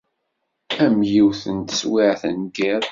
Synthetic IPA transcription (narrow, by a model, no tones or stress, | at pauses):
æmjiwθənt̪swɪʕθə̰nɡɪɾ